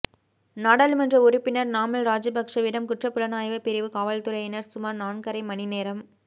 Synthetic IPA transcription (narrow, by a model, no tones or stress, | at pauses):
naːɽalmɐndrɐʊɾɪpːɪnɐɾnaːmɐlɾaːd͡ʒɯbɐkʂɐʋɪɽɐmkʊʈrɐpːɯlɐnaːjʋɐpɪɾɪʋɯkaːʋɐlt̪ɯɾɐjɪnɐɾsʊmaːɾnaːɳkɐɾɐɪmɐnɪneːɾɐm